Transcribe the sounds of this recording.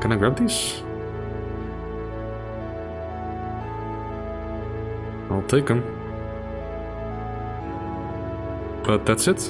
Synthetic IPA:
kʰɨ̃naɪɡɹæb̚ðis | aɪlˠtʰeɪkə̃m | b̥ʌt̪̚ðætsɨt

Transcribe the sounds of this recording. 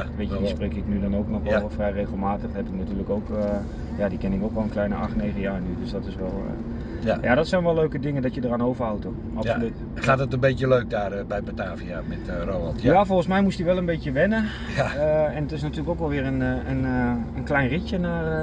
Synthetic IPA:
ʋejəisprejkɪknydɔnowknɔxʋɛlˠfrɛjrejχəlˠmaːtəxɦɛdunatyːləkowk | jadikɛnɪkoːkʋɔlˠənklɛjnəʔɑxtnejχəjaːɹnydøsdɔtɪsʋɛl̰ˠ | jaːdɔtsɛjnʋɛløɥkədɪŋəndɔtjədəraːnowvərhawto | ʔɑpsolyt | aːtətənbejtəløɥk̚daːrbɛjbotaːvia̰mɛtroalˠtjafɔlˠχən̩smɛjmustdiʋɛlˠənbejtjəʋɛnə | aəɛnətɪsnatyːləkowkʋɛlˠʋɪːrənənənklɛjnricjənar

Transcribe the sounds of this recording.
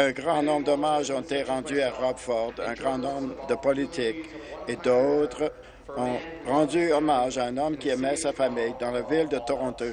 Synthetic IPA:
ɛ̃ɡʁɑ̃nɔ̃bʁd̪ɔmaʒɔ̃t̪et̪eʁɑ̃d̪yaʁɔbfɔʁd̪ɛ̰̃ɡʁɑ̃nɔ̃bʁd̪əpɔlit̪iked̪ot̪ʁ | ɔ̃ | ʁɑ̃d̪yɔmaʒaɛ̃nɔmkʲiɛmɛsafamijd̪ɑ̃lavild̪ət̪ɔʁɑ̃t̪o

